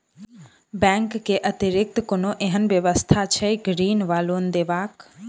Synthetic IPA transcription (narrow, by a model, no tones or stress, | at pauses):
bɛ̃ŋkːeʔət̪iɾɪk̚t̪konoʔeɦənʋjəʋəst̪ʰat͡ʃʰɛɡɾiːnʋaːlond̪eːʋaːk